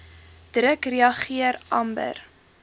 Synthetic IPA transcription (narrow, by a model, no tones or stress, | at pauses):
d̥rəkriɐχiəɾʔɐmbə̰r